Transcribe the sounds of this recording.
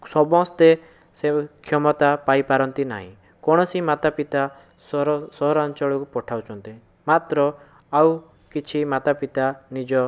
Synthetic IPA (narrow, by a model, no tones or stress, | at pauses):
sɔbɔ̃st̪e | sekʰjɔmɔt̪apaipaɾɔnt̪ina̰ɦḭ̃ | kɔɽ̃ɔsimat̪apit̪a | ssɔɦɔɾant͡ʃɔɭɔkupɔʈʰawt͡ʃʰɔnt̪i | mat̪ɾɔ | aw | kit͡ʃʰimat̪apit̪anid͡ʒɔ